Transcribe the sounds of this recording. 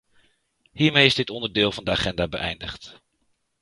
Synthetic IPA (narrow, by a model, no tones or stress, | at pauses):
ɦiːɹmejɪzdɪtɔndəɹdɪːlˠvɑndəaχɛndaːbəʔɛjndəχt